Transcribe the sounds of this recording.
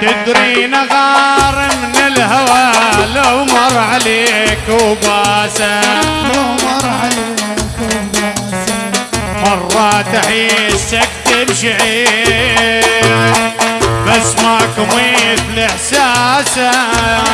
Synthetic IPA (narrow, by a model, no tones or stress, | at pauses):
t̪ɪd̪ɾinaɣɑːɾˤɪmnɪlhawaːlʊmɑɾˤʕaleːkubaːsalʊmɑɾˤʕalekubasa | mɑrˤːɑːt̪aħiːsak̚t̪ɪbʃaʕiː | ɾ | basːmakʊmiːθlɪħsaːsa